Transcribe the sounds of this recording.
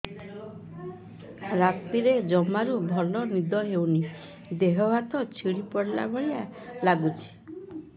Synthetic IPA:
ɾat̪iɾed͡ʒɔmaɾubʱɔlɔnid̪ɔɦewni | d̪eɦɔbat̪ɔt͡ʃʰiɽipɔɽla̰bʱɔɭijalaɡut͡ʃʰi̥

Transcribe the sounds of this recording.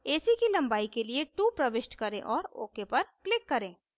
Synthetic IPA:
eːsikilɐ̃mbaːikelieʈuːpɾɐʋɪʃʈkɐɾẽʔɔːɾo̰ːkepɐɾklɪkːɐɾẽː

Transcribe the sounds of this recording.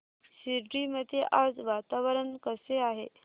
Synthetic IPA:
siɾɾiməd̪ʱeʔad͡zʋat̪aʋəɾənkəseaɦe

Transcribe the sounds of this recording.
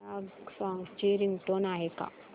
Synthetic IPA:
aɡsãŋt͡ɕiɾiŋɡʈonaɦeka̰

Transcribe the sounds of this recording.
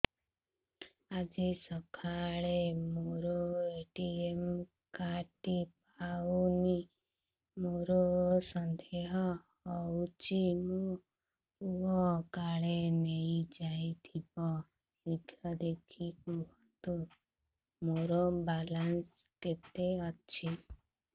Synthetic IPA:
ad͡ʒisɔkʰaɭemoɾɔeʈiem | kaʈip | awuni | moɾɔsɔnd̪ʱeɦɔː | wut͡ʃimu | uɔkaɭeneid͡ʒait̪ʰibɔ | id̪ʱjɔd̪ekʰikuɦɔt̪u | moɾɔbalans | ket̪eɔt͡ʃʰi

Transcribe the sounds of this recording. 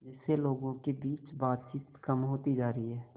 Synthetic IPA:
d͡ʒɪseloːɡõkebiːt͡ʃbaːt̪̚t͡ʃiːt̪kəmɦoːt̪id͡ʒaːɾəiɦɛː

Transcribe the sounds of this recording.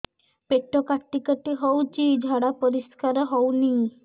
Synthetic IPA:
peʈːokaɾʈːikaʈiɦɔwt͡ʃid͡ʒʱaɽapɔɾiskaɾɦɔwni

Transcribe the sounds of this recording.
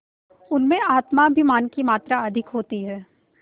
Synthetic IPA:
ʊnmẽaːt̪mabʱimaːnkimaːt̪ɾaɐd̪ʱɪkɦoːt̪iɦɛː

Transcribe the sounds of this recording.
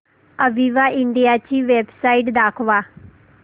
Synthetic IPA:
əʋiʋaɪ̃ɳɖijat͡ɕiːʋeːbsaːiʈd̪aːkʰʋaː

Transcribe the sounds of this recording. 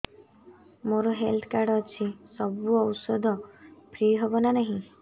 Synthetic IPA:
moɾoɦelt̪ʰkaɾɽɔːt͡ʃʰisɔbuɔwsɔd̪ʱɔpʰɾiɦebɔnanaɦĩ

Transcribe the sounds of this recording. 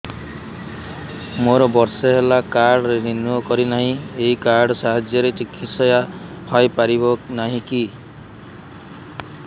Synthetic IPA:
moɾɔbɔɾsɔɦelakaɾɽɔɾeninuɔkɔɾinaɦĩeɦikaɾɖɔsaɦad͡ʒjɔɾet͡ʃikʰːit̪sɔjapʰajpaɾibɔnaɦĩki

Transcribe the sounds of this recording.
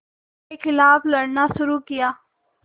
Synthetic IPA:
exɪlaːflɐɽnaʃʊɾuːkɪjaː

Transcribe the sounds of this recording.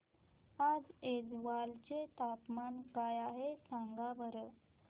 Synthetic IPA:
ad͡zed͡zʋalt͡ɕet̪apmanɡajaɦesãŋɡabəɾə

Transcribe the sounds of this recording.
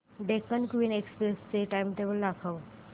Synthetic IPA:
ɖekːəɳkʋiːnekspɾest͡seʈajmʈ̪eʋəlːakʰəʋ

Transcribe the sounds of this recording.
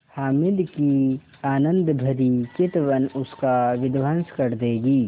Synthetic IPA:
haːmɪlki | aːnə̃nd̪bʱɐɾikɪt̪ʋənʊskaʋɪd̪ʋənskɐɾd̪eːɡiː

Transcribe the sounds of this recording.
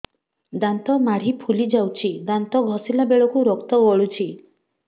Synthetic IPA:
d̪ant̪ɔmaɽ̤ipʰulid͡ʒawt͡ʃʰid̪ant̪ɔɡʱɔsilabeɭɔkuɾɔkt̪ɔbɔɭut͡ʃʰi

